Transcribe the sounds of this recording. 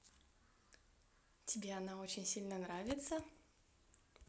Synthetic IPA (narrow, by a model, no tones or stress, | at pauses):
tʲɪbʲeɐnao̞t͡ɕɪnʲsʲilʲnənɾavʲɪt̪sə